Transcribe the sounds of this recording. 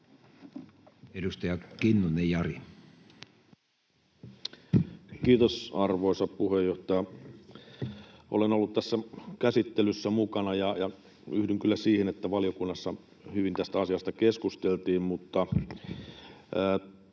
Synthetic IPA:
edust̪ɑjɑkinːunːejɑri | kiːt̪osɑrʋoˑisɑppuhejːoht̪ɑjɑ | ʔo̰lenolːut̪t̪æsːækæsit̪ːelysːæmukɑnɑjɑjɑ | yhdyŋkylːæsiːhenet̪ːæʋɑliokunːɑsːɑ | hyʋint̪æst̪æɑsiɑst̪ɑkeskust̪elt̪iːmmut̪ːɑ

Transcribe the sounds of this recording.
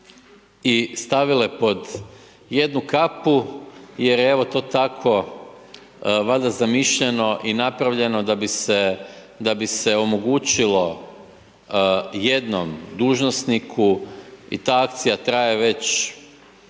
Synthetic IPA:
ist̪aʋilepo̞d̪ | je̞d̪nukapuje̞ɾjeeʋo̞t̪o̞ːt̪akʰo̞ | ʋad̪azamiʃʎe̞no̞ʔinapɾaʋʎe̞no̞d̪abise | d̪abiseo̞mo̞ɡuːt͡ɕilo̞ | je̞d̪no̞md̪uːʒnosnikʰuḭt̪aːak̚t̪sijat̪ɾajeʋe̞t͡ɕ

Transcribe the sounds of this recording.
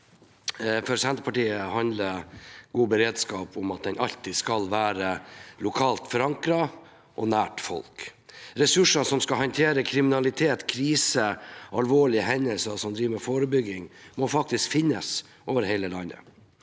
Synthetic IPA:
fɔɾsɛnt̪əpʰɑʈiːəhɑnd̪ləɾɡ̥uːbəɾeːd̪skɑːpʊmɑt̪̚d̪ɛnʔɑʎt̪iskɑlʋæːɾəlʊkʰɑːlt̪fɔɾɑŋkɾɑ | ʔɔnæːʈfɔ̰lkɾɛsʉʂɑsɔmskɑɦɑnt̪ʰeːɾəkʰɾɪmɪnɑlɪt̪ʰeːt̪kʰɾiːsəʔɑlʋoːɭɪəɦɛnəlsɑsɔmd̪ɾiːʋəmɛfoːɾəbʏɡɪŋmɔfɑk̚t̪ɪskfɪnːəs | ʔoːʋəɾhɛɪləlɑnːə̰

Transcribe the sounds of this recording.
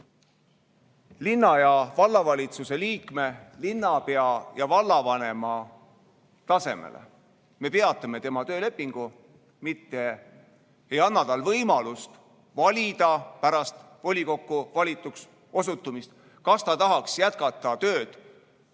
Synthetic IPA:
linːɑjɑvɑlːɑvɑlʲit̪suse̞liːkme̞linːɑpe̞ɑjɑvɑlːɑvɑne̞mɑ | t̪ɑse̞̰mḛlḛ | me̞pe̞ɑt̪ːˑɑme̞t̪e̞mɑt̪ø̞ːle̞pːˑiŋɡ̥u | mit̪ːe̞ | ejɑnːɑt̪ɑlvɤjmɑlust̪ | vɑlʲid̪̥ɑpæɾɑst̪ | vo̞lʲiko̞kːuvɑlʲit̪ːˑuks | o̞sut̪ːˑumist̪̚ | kɑst̪ɑt̪ɑɦɑksjæt̪̚kɑt̪ːˑɑt̪ø̞ːd̪̥

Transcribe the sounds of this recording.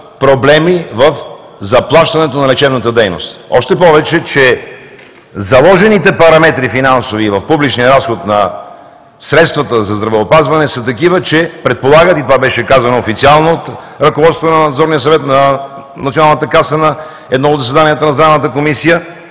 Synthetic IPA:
pɾoblɛmivəf | zɐplˠaʃt̪ɐnɛt̪onɐlɛt͡ʃɛbnət̪əd̪ɛjno̰st̪ɔ̰ʃt̪ɛpɔvɛt͡ʃɛt͡ʃɛ | zɐlˠɔʒɛnit̪ɛpɐɾɐmɛt̪ɾifinansovivɐfpublit͡ʃnijəɾasxot̪nɐ | sɾɛt̪st̪vɐt̪əzɐzd̪ɾɐvɛopazvɐnɛsət̪ɐkivət͡ʃɛpɾɛt̪̚polˠaɡət̪it̪ovabɛʃɛkazɐnoːfit̪sialˠnoot̪ | ɾɐkovɔt̪st̪vonɐnd̪zɔɾniəsɐvɛt̪nɐ | nɐt̪sionalˠnət̪əkasənɐ | ɛd̪nɔod̪zɐsvɛd̪anijət̪ənɐzd̪ɾavnət̪əkomisijə

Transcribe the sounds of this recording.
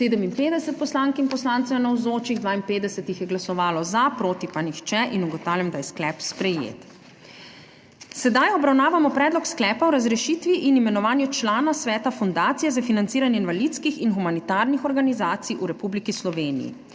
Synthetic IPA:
eːd̪əminpeːd̪ɛsɛt̪̚pɔslaŋkinpɔslaːnt̪sɛwnawzoːt͡ʃiɣd̪ʋaːinpeːd̪ɛsɛt̪ixjɛɡlasɔʋaːlɔzapɾoːt̪ipanixt͡ʃɛʔinuɡɔt̪aːwlamd̪ajɛsklɛːpspɾɛjḛt̪ | sɛd̪ajɔbɾawnaːʋamɔpɾɛːd̪lɔksklɛːpawɾazɾɛʃiːt̪ʋiʔinimɛnɔʋaːnjut͡ʃlaːnasʋɛːt̪afund̪aːt̪sijɛzafinantsiːɾanjɛinʋalit̪skixinxumanit̪aːɾnixɔɾɡanizaːt̪sijʔuɾɛpublikislɔʋeːnḭjḭ

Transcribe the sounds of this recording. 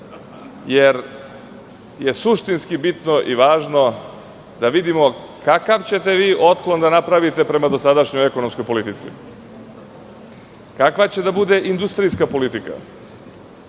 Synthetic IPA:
jeɾ | je̞suʃt̪inskibit̪no̞ʔiʋaːʒno̞ | d̪aʋid̪imo̞ | kakaʋt͡ɕe̞t̪e̞ʋiːʔo̞t̪klˠo̞nd̪anapɾaʋit̪e̞pɾe̞mad̪o̞sad̪aʃɲojeko̞nomsko̞jpo̞lit̪it̪sḭ | kakʋat͡ɕe̞d̪abud̪e̞ʔind̪ust̪ɾijskapo̞lit̪ika̰

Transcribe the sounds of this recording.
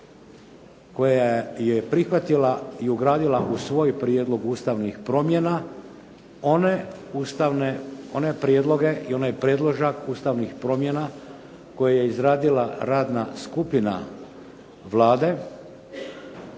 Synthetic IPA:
ko̞jajepɾixʋat̪ilaiuɡɾaːd̪ilaʔusʋo̞ːjpɾjeːd̪lˠo̞ɡuːst̪aʋnixpɾo̞mjena | oneust̪aʋneo̞ne̞pɾjed̪lo̞ɡe̞io̞najpɾje̞ːd̪lˠoʒakuːst̪aʋnixpɾo̞mje̞na | ko̞jaje̞izɾaːd̪ilaɾaːd̪naskupina̰ | ʋlaːd̪e̞

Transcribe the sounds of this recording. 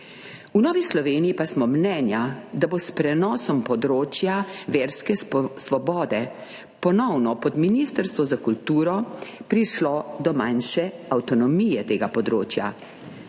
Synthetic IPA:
unɔːʋislɔʋeːnijipasmɔmnɛnjad̪abospɾɛnɔːsɔmpɔd̪ɾoːt͡ʃjaʋeːɾskɛsʋɔbɔːd̪ɛ | pɔnɔwnɔpɔd̪minist̪əɾst̪ʋɔzakult̪uːɾɔpɾiʃlɔd̪ɔmanʃɛawt̪ɔnɔmijɛt̪eːɡapɔd̪ɾoːt͡ʃja̰

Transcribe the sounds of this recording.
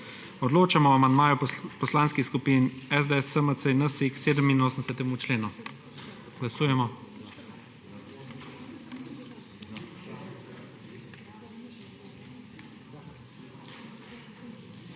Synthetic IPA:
ɔd̪loːt͡ʃamɔamand̪maːjupɔslaːnskixskupinɛzd̪eɛsəməsəinəsikseːd̪əminoːsənsɛt̪ɛmut͡ʃleːnu | ɡlasuːjɛmɔ

